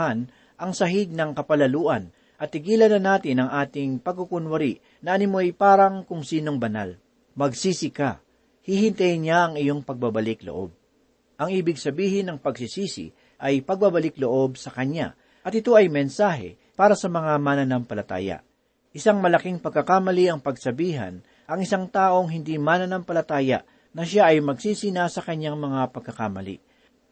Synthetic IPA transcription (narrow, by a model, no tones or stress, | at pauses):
an | ʔɐŋsɐɦɪd̪̚nɐŋkɐpɐlɐluːʔɐn | ʔɐt̪ːɪɡiːlɐnɐnaːt̪ɪnɐŋʔaːt̪ɪŋpɐɡ̚kukʊnwɐɾiʔ | nɐʔɐnɪmojpaːɾɐŋkʊŋsiːno̞ŋbɐna̰l | mɐɡsiːsɪka | hihɪnt̪ajnɲaʔɐŋɪjo̞ŋpɐɡ̚babɐlɪklo̰ʔo̞̰b̚ | ʔɐŋʔiːbɪɡsɐbiːhɪnːɐŋpɐɡsisiːsɪ̰ | ʔɐjpɐɡ̚babɐlɪkloʔo̞b̚sɐkɐɲa̰ | ʔɐt̪ɪt̪o̞ʔɐjmɛnsaːɦɛ̰ | paːɾɐsɐmɐŋamaːnɐnɐmpɐlɐt̪a̰ːjɐ̰ | ʔɪsaŋmɐlɐkiŋpɐɡ̚kːɐkamɐliʔɐŋpɐɡsɐbiːɦɐ̰n | ʔɐŋɪsaŋt̪aːʔo̞ŋɦɪnd̪imanɐnampɐlɐt̪aːjɐ̰ʔ | nɐʃaʔɐjmɐɡsiːsinɐsɐkɐɲːaŋmɐŋapɐɡ̚kːɐkamɐlḭ